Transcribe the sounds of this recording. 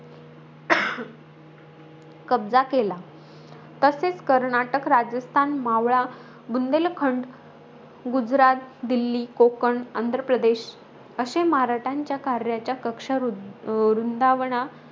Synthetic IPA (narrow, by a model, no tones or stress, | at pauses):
kəbd͡zakela | t̪əset͡skəɾɳaʈəkɾad͡zəst̪ʰanmaʋɭa | bund̪elkʰəɳɖ | ɡud͡zɾat̪̚d̪ilːikokəɳənd̪ʱɾəpɾəd̪eɕ | əɕemɦaɾaʈʰaɲt͡ɕjakaɾjat͡ɕjakəkʂəɾɾund̪aʋɳa